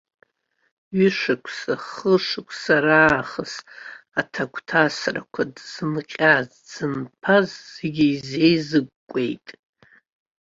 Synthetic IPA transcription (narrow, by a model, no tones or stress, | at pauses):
ɥɪʂakʷʰsaχəʂɨkʷʰʼsaɾaːχəsatʰakʷʰtʰasra̰kʷʰadz̥ɨnqʲʼaz | d͡zɨnpʰazzːeɡʲiize̞jzɨɡʷkːʷʼe̞̰jtʼ